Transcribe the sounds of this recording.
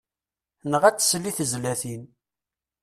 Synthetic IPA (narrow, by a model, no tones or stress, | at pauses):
nəʁæt͡sːə̥slːiθəzlæθin